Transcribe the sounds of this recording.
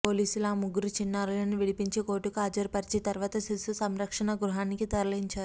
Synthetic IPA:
po̞ːliːsulaːmuɡːuɾut͡ʃinːaːɾuɐniʋiɽipiɲt͡ʃeːkoːʈːukuaːd͡ʒɐɾpɐɾt͡ʃeːt̪ɐɾʋaːt̪ɐsisusɐmɾɐkʂɐnɐɡɾuɦaːnikit̪ɐɾɐliɲt͡ʃaːɾu

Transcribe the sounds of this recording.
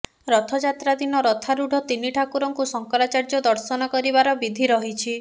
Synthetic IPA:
ɾɔt̪ʰɔd͡ʒat̪ɾad̪inɔɾɔt̪ʰaɾuɖʱɔt̪iniʈʰakuɾɔŋkusɔŋkɔɾat͡ʃaɾd͡ʒɔd̪ɔɾsɔnɔkɔɾibaɾɔbid̪ʱiɾɔɦit͡ʃʰi

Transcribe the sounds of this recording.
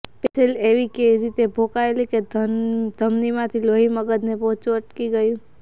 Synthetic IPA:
pet͡ʃʰeleːʋikeɾit̪ebʱoːkaeliked̪d̪ʱəmnimãt̪ʰiloɦiməɡəd̪nepɔ̃ɦt͡ʃuəʈkiɡəjũ

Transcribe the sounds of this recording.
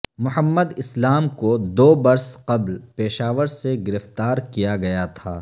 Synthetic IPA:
mʊɦəmːəd̪ɪslaːmkod̪oːbɐɾsqɐblpeːʃaːʋəɾseɡɪɾɪft̪aːɾkijaɡɐjat̪ʰa̰ː

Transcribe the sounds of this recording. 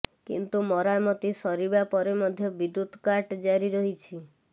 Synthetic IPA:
kḭnt̪umɔɾamɔt̪isɔɾibapɔɾemɔd̪ʱjɔbid̪ut̪kaɾʈd͡ʒaɾiɾɔɦit͡ʃʰi

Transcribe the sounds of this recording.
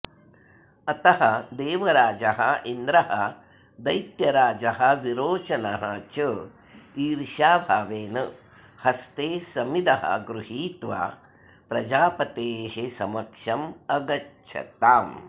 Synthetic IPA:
ɐt̪ɐɦɐd̪eːʋɐɾaːd͡ʒɐɦɐind̪ɾɐɦɐ | d̪ɐjt̪jɐɾaːd͡ʒɐɦɐʋiɾoːt͡ʃɐnɐɦɐt͡ʃɨ | iːɾʃaːbʱaːʋeːnɐ | hɐst̪eːsɐmid̪ɐɦɐ̰ɡɾuɦiːt̪ʋa̰ː | pɾɐd͡ʒaːpɐt̪eːhesɐmɐkʂɐmɐɡɐtʃʰɐ̰t̪aːm

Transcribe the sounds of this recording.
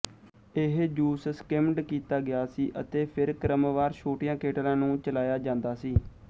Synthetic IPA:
ɪɦd͡ʒuːsskɪmɖkiːt̪aːɡɪjaːsiːʔət̪eːpʰɪɾkəɾəmʋaːɾʃoːʈɪjãːkeːʈlãːnũːt͡ʃəlaːjaːd͡ʒãːnd̪aːsiː

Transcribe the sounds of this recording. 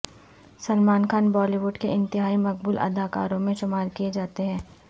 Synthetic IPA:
sɐlmaːnkaːnbɔːliʋʊɖkeʔɪ̃nt̪ɪɦaːimɐk̚bʊlʔɐ̰d̪aːka̰ːɾõmẽʃʊmaːɾkijed͡ʒaːt̪eɦɛ̃ː

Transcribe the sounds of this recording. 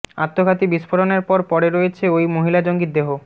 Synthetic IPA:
a̰t̪ʰːokʰat̪ibiʃfoɾoneɾpɔɾpɔɾeɾojet͡ɕʰeojmoɦilad͡ʑoŋɡit̪̚d̪eɦo

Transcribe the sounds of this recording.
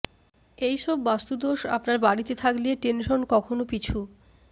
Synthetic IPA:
ejʃɔbːast̪ud̪oʃa̰pnaɾbaɽit̪et̪ʰaklieʈenʃonkɔkʰonopit͡ɕʰu

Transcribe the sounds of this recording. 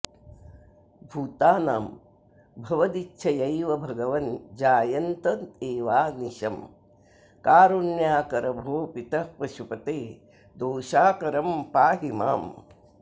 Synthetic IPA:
bʱuːt̪aːnaːm | bʱɐʋɐd̪itːʃʰɐjɐjʋɐbʱɐɡɐʋɐnd͡ʒaːjɐnt̪ɐd̪eːʋaːniʃɐm | kaːɾunjaːkɐɾɐbʱoːpit̪ɐpɾɐʃupɐt̪eː | d̪oːʃaːkɐɾɐmpaːɦima̰ːm

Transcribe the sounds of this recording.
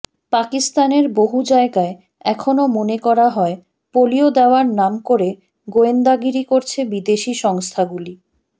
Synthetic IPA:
pakist̪aneɾboɦud͡ʑaeɡae | ɛkʰonomonekɔɾaɦɔe | poliod̪eoaɾnamkoɾe | ɡoend̪aɡiɾikoɾt͡ɕʰebid̪eʃiʃɔŋst̪ʰaɡuli

